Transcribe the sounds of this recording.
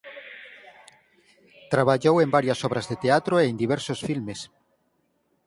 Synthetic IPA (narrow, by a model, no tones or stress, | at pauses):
t̪ɾaβaʎowembaɾjasɔβɾazðet̪eat̪ɾoend̪iβ̞ɛɾsosfilmes